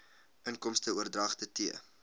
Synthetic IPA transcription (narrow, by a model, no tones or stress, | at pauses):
ʔənkɔmstəuərdrɐːχtətiə